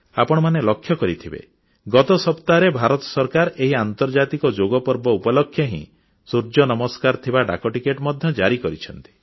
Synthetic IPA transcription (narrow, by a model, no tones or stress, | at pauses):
apɔɽ̃manelɔkʰːjɔkɔɾit̪ʰibḛ | ɡɔt̪ɔsɔpt̪aɾebʱaɾɔt̪ɔ̥sɔɾkaɾeɦiant̪ɔɾd͡ʒat̪ikɔd͡ʒoɡɔpɔɾbɔupɔlɔkʰːjɔɦḭ̃ | suɾd͡ʒɔnɔmɔskaɾt̪ʰibaɖa̰kɔʈikeʈmɔd̪ʱjɔd͡ʒaɾikɔɾit͡ʃʰɔnt̪i̥